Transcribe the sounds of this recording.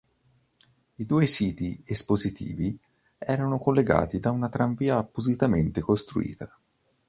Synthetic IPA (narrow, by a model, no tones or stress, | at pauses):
id̪uːesiːt̪iespozit̪ʰḭːvi | ɛːɾanokolːeɡa̰ːt̪id̪aunat̪ɾaɱviːaːpːozit̪ament̪ekost̪ɾṵḭːt̪a